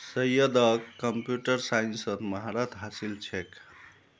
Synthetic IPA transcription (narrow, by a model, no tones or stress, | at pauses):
səjəd̪əkːəmpjuʈəɾsainsəd̪məɦaɾat̪ɦasilt͡ʃʰek